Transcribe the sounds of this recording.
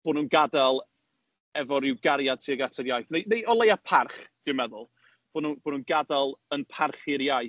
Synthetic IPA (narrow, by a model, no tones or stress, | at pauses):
b̥oːnuːnɡadalˠ | ɛvɔɾɪwɡaɾjad̚tʰiːaɡatʰəɾjajθnejnejʔɔlˠejapʰarχd̥ɪmɛðʊlˠ | b̥oːnunb̥oːnhuːnɡadalˠənpʰarχɪɾjaj